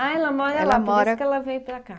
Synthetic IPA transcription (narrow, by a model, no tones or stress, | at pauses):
aɛlɐmɔɾɐɛlɐmɔɾɐkɛlɐvẽj̃pelɐka